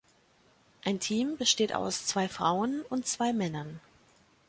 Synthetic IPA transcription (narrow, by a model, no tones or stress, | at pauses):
ʔaɪntʰiːmbəʃteːta̰ʊst͡sv̥aɪfʁ̥a̰ʊənʊntt͡sv̥aɪmɛnɐn